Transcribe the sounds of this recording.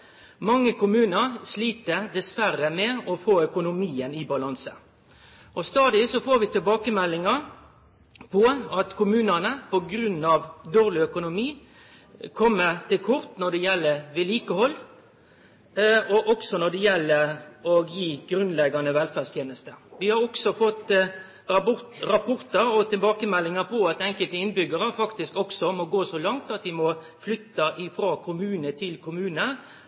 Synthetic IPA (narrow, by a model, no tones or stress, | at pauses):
mɑŋːəkʰʊmʉːnəʁsliːt̪əd̪ɛsʋærəmɛɔfoːœkʊnʊmiːənɪbɑlɑnsə | ʔɔst̪ɑːd̪ɪsɔfoːɾʋɪt̪ʰɪlbɑːkəmɛlːɪŋɑ | pʰɔɑt̪kʊmʉːnənəpɔɡɾʉnːɑʋd̪oːʁlɪœkʊnʊmiː | kʰɔmːəʁt̪ʰɪlkʰʊɾt̪nɔɖ̪ɛjɛlːəɾʋɪliːkəhɔlː | ɔʔɔksɔnɔɖ̪ɛjɛlːəɔɡjiːɡɾʉnlɛɡːɑnəʋɛlfæst̪jeːnəst̪əʋɪhɑɾɔksɔfɔt̪ː | ɾɑʊɾɑpʰʊʁt̪əɾɔt̪ʰɪlbɑːkəmɛlːɪŋəpʰɔɑt̪ɛŋkəlt̪əɪnbʏɡəɾəfɑkt̪ɪskɔksɔmɔɡoːsɔlɑŋt̪ɑt̪d̪ɪmɔ | flʏt̪ːɑʔɪfɾɑːkʰʊmʉːnət̪ʰɪlkʰʊmʉːnə